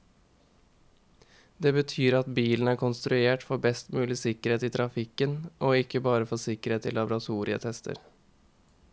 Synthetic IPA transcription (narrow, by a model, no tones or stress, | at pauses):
d̪eːbət̪ʰyːɾɑt̪biːln̩æːɾkʰʊnst̪ɾʉeːʈfɔbɛst̪mʉːlɪsɪkəɾheːt̪iːt̪ʰɾɑfɪkənʔoːɪkːəbɑːɾəfɔsɪkəɾeːt̪ɪ̰lɑbɾɑt̪ʰuːɾɪə̰t̪ʰɛst̪ʰə̰ɾ